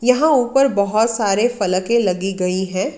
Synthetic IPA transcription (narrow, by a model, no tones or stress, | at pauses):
jɐɦãuːpəɾbɐɦʊt̪saːɾefɐləkẽlɐɡiɡɐiɦɛ̃ː